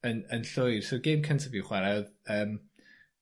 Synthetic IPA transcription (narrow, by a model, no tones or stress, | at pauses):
ənənɬʊjr̥soɡejmkʰəntʰəviwχwɛɾɛðəːm